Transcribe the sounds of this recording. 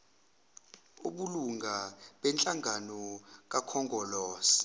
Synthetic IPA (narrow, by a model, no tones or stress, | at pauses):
uɓuluŋɡʱaɓɛnt͡ɬʼaŋanɔk̬akʰɔŋɡɔlɔːsi̥